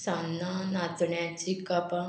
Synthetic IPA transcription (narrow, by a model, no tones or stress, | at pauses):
sanːanat̪ɳjãt͡ʃikapã